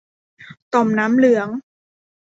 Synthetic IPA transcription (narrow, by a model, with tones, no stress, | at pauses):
t̪ɔ˨˩mnaː˦˥mlɯ˩˦ɐŋ